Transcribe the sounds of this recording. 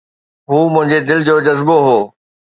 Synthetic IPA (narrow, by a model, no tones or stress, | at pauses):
ɦuːmʊ̃ɦɪ̃ɲd͡ʑed̪ɪlɪ̆d͡ʑoːd͡ʑɐzboɦoː